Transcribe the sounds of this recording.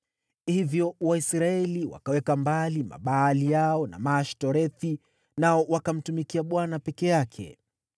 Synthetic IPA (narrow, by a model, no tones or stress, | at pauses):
hivjɔwaisɾaɛliwa̰kawɛkambalima̰ɓaːlijaɔna̰maʃtɔɾɛθi | naɔwakam̩tumikiaɓwanapɛkɛjakʰɛ̰